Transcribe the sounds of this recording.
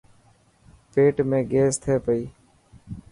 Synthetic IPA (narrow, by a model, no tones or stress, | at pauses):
peːʈmẽːɡeːst̪ʰeːpəiː